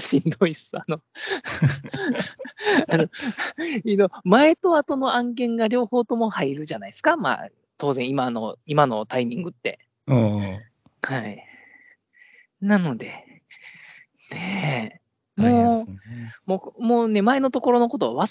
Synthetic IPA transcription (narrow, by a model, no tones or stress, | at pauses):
ɕĩnd̪o̞isɨano̞ | ano̞ | id̪omae̞t̪o̞at̪o̞no̞ãŋɡẽ̞ŋɡaɾʲo̞ːho̞ːt̪o̞mo̞haiɾɯ̟ʑanaisɨ̥kama̰ː | t̪o̞ːzẽ̞ɰ̃imano̞imano̞t̪aimʲĩŋɡɯ̟t̪ːe̞̰ | hai | nano̞d̪e̞ | ne | moː | momoːne̞mae̞no̞t̪o̞ko̞ɾo̞no̞ko̞t̪o̞βa̰βa